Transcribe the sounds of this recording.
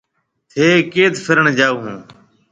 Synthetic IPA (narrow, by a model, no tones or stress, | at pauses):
t̪ʰeːkeːt̪fʰɪɾəɳd͡ʒaːuːɦũː